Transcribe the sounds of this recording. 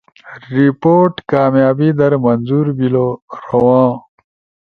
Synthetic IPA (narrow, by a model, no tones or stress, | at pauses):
ɾipoːʈkaːmjaːbid̪ɐɾmɐnzuɾbiloɾɐwãː